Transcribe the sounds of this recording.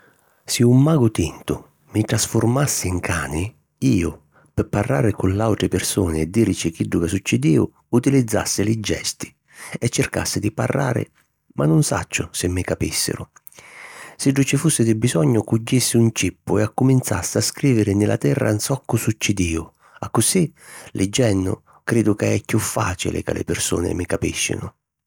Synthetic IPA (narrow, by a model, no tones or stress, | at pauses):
sɪumːaːɡʊt̪int̪ʊ | mɪʈ̪ɾasfʊrmasːɪiŋkʰaːnɪ | iːʊ | pɪpːarːaːɾɪkʊnlawt̪ɾɪpɪrsuːnɪɛd̪ːiːɾt͡ʃɪk̟iɖːukasut͡ʃːid̪iːʊ̰ | ut̪ilid̪zːa̰sːɪlɪd͡ʒːɛ̰st̪i̥ | ɛt͡ʃːɪrka̰sːɪd̪ipa̰rːa̰ːɾɪ̰ | mʔanːʊnsa̰t͡ʃːʊsɪmːɪkapisːɪ̰ɾʊ̰ | sɪɖːut͡ʃɪfusːɪd̪ɪbisɔɲːʊkud͡ʒːisːɪunt͡ʃipːʊɛakːʊmint̪sa̰sːɪaskɾiːvɪɾɪnɪlʔa̰t̪ɛrːʔa̰nsɔkːʊsut͡ʃːɪd̪iːʊ | akːʊsilʔɪd͡ʒːɛnːʊ̰ | kɾeːd̪ʊkaɛkːjufːa̰ːt͡ʃḭlɪ̰ka̰lʔɪ̰pɪrsṵːnɪ̰mɪkapiʃːɪ̰nʊ